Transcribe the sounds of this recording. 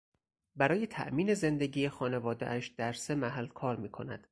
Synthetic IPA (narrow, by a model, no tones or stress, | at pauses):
bæɾɒːje̞t̪ʰæ̰ʔmiːne̞ze̞nd̪eɟiːexɒːnevɒːd̪eʔæʃd̪̥æɾse̞mæɦælːkʰɒːɾmiːkʰo̞̰næ̰d̪̥